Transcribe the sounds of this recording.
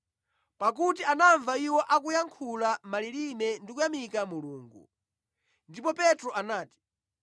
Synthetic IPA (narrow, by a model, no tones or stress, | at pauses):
pak̬ut̬ianaɱvaiwɔʔak̬ujaŋkʰulamalilinɛndikujamikamuluːŋɡṵ | ndipɔpɛtɾɔʔanaːti̥